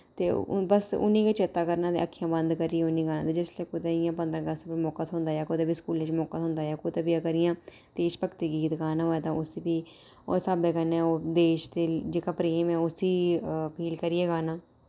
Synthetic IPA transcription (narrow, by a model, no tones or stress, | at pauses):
t̪eːbəsʊ̰nːĩːkət͡ʃet̪ːaːkəɾnãːd̪ḛəkʰːijãːbənd̪kəɾiːɛːʊnːĩːɡaːnã̰ːd̪eːd͡ʒɪsleːkʊt̪eɪjãːpə̃nd̪ɾə̃ːɡəspəmɔːkat̪ɦʊ̃nd̪aːjaːkʊd̪eːbiːskuːlẽːt͡ʃmɔːkaːt̪ɦʊ̃nd̪aːjaːkʊt̪eːbiːəkəɾɪjãː | t̪eːʃpəkt̪iːɡiːt̪ɡaːnãːɦoːɛːt̪ãːʊsiːbiː | saːbeːkənːɛ̃ːoːd̪eːʃt̪eːd͡ʒeːkaːpɾeːmɛːʊsiːpʰiːlkəɾiːɛːɡaːnaː